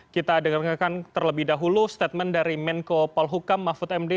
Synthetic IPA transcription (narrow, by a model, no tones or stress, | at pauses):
kit̪adəŋarŋarkant̪ərləbɪhdaɦulust̪ɛt̪̚mɛndaɾimɛnkopɔlɦukamːafʊt̪ɛmde